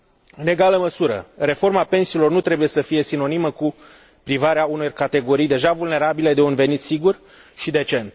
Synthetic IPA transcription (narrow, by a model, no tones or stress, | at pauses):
ɨne̞ɡaləməsuɾə̰re̞fo̞rmape̞nsiːlo̞rnut̪ɾe̞buje̞səfije̞sino̞niməku | pɾivaɾeaunorkat̪e̞ɡo̞ɾijd̪e̞ʒavulne̞ɾabile̞d̪e̞unve̞nit̪siɡur | ʃid̪e̞t͡ʃe̞nt̪̚